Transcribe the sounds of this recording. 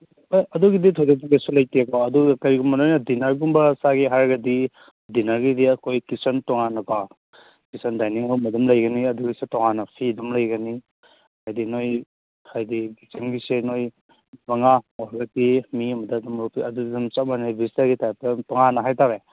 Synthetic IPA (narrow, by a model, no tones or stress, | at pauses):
ɐduɡiditʰojdɔk̚tɔŋesulɐjtiekɔɐdukɐɾiɡumbɐnojnɐdinɐɾɡumbɐsaɡiɦaɾɡɐdi | dinɐɾɡidiɐkʰojkisɔntɔŋanɐka | kisɔndajniŋawmɐdumlɐjɡɐniɐduɡisetɔŋanɐpʰidumlɐjɡɐni | hajdinoj | hajdiɡisimɡisenoj | mɐŋaɔhaɡɐtimiɐmɐdadumupiɐdudidumt͡ʃamanajbistaɾɡitajp̚tɐmtɔŋanɐɦajtaɾe